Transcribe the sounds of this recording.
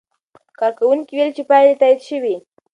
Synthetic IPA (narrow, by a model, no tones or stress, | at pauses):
kaɾkawʊŋkɪwɪlt͡ʃɪpajlɪt̪ajt̪ʃɪwi